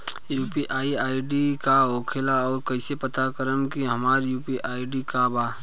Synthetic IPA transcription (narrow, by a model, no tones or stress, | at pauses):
juːpiʔaːiaːiɖikaoːkʰelaɔːɾkɐɪsepət̪akəɾəmkiɦɐmaːɾjuːpiʔaːiɖikabaː